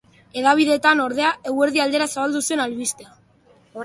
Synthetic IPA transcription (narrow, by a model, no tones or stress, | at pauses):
e̞ðaβ̞iðe̞t̪ano̞ɾðe̞ae̞we̞ɾðiald̪e̞ɾasaβald̪usue̞nalβist̪ea